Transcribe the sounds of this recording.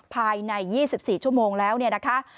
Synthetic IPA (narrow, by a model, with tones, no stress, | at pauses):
pʰaː˧jna˧jːiː˥˩si˨˩p̚siː˨˩t͡ɕʰu˥˩əmoː˧ŋlɛː˦˥wni˥˩ɐna˦˥kʰa˦˥ʔ